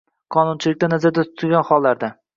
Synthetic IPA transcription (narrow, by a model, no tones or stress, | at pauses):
qʰɒnʊnt͡ʃʰɪlɪk̚ʲt̪anazaɾd̪at̪ʰʊ̥t̪ʰɪlʲɡʲanχɒlˠːaɾd̪a